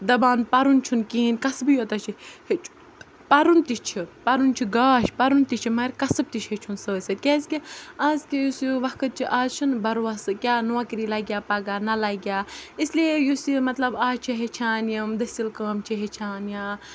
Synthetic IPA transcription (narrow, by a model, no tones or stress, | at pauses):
d̪ɐbaːnpɐɾunt͡ʃʰunkiːnʲkɐsbjot̪ɐt͡ʃʰihet͡ʃʰ | pɐɾunt̪it͡ʃʰipɐɾunt͡ʃʰiɡaːʃpɐɾunt̪it͡ʃʰimɐɾʲkɐsɨb̚t̪iʃʰɦet͡ʃʰunsəːsʲɐt̪̚ʲkʲezkʲiaːzkʲijusiʋɐkʰɨt̪̚t͡ʃʰiʔaːzt͡ʃʰunbɐɾʋɐsɨkʲaːnuɐkɾiːlɐɡʲjaːpɐɡaːnɐlɐɡʲjaːisliejusimɐt̪lɐbaːt͡ʃʰiɦet͡ʃʰaːnjɐmd̪ɐsʲilkəːmt͡ʃʰiɦet͡ʃʰaːnjaː